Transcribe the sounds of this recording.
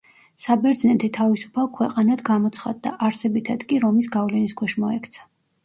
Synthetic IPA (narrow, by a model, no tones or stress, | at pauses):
sabɛɾd̪znɛt̪ʰit̪ʰavisu̥pʰalˠkʰwɛqʼanad̪ɡamɔt̪sʰχa̰d̪ːa̰ʔaɾsɛbit̪ʰad̪̥kʼiɾɔmisɡavlɛniskʰwɛʃmɔɛkʰt̪sʰḁ